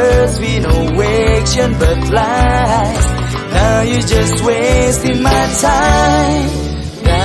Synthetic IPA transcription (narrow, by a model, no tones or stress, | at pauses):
zwinowekʃə̃nbʌt̚ʰla | s | naʊjɨd͡ʒʌstwestɪ̃nmaɪtʰaɪm